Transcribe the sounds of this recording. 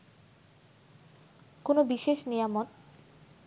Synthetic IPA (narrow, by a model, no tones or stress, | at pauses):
konobiʃeʃnijamon